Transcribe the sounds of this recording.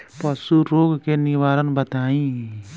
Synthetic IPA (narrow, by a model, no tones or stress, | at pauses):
pəsuɾoːɡkenɪʋaːɾənbət̪aːĩ